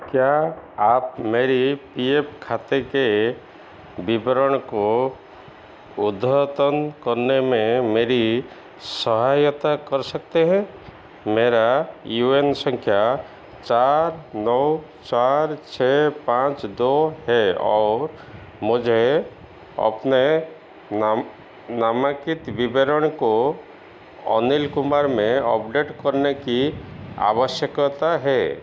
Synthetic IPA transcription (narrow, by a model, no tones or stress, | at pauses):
kjaaːp̚meːɾipiepkʰat̪eke | bibəɾəɳ̃ko | ʊd̪ʱət̪ənkəɾnemẽmeːɾi | səɦajət̪akəɾsək̚t̪eɦɛ̃ | meːɾajuensə̃ŋkʰja | t͡ʃaɾnɔw | t͡ʃaɾt͡ʃʰepãt͡ʃd̪oɦɛɔ̰ːɾ | mʊd͡ʒʱe | ə̰pne | namakit̪bibʱeɾəɽ̃ko | ɔ̰nilkʊmaɾmẽɔpɖeʈkəɾnekia̰ʋəʃjəkt̪aɦɛ